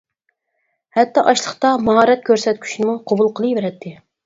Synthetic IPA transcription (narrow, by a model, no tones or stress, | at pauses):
hɛt̪ːɑʔɑʃlˠəχt̪ɑmɑɦɑːɾɛt̪̚kʲʰøɾsɛt̪̚kʲʰy̥ʃnɪmuqʰobulˠqʰəlˠɨjvɪɾɛt̪ʰːɪ